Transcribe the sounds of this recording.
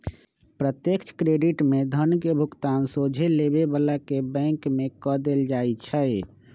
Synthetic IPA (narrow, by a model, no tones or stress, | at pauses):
pɾət̪jekt͡ʃʰkɾeɖiʈmed̪ʱənkebʱukt̪ansod͡ʒʱelebebəlakebɛ̃ŋkmekɔd̪eld͡ʒajt͡ʃʰəj